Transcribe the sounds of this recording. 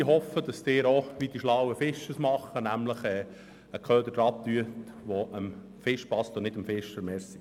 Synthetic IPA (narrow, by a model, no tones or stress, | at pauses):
iɦɔfəd̥ɑst̪ɪːɾoʋid̥iʃlawəfɪʃəsmɑχːənæmləχɛː | əkʰœːd̪ədɾɑp̚t̪yət̪ʋoʔəm | fɪʃpɑst̪ɔnɪdəmfɪʃəɾmɛːɾsi